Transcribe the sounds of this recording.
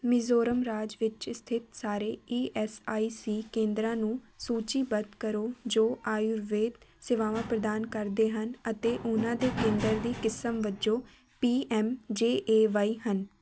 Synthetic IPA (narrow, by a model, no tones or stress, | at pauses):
mɪzoːɾəmɾaːd͡ʒʋɪt͡ʃst̪ʰɪt̪saːɾeːiːʔɛːsaːiːsiːkẽːnd̪ɾãːnũːsuːt͡ʃiːbəd̪kəɾoːd͡ʒoːʔaːjuɾʋeːd̪sɪʋaːʋãːpɾəd̪aːnkəɾd̪eːɦənət̪eːʔʊnãːd̪eːkẽːnd̪əɾd̪iːkɪsəmʋəd͡ʒoː | piːʔɛːmd͡ʒeːʔeːʋaːiːɦən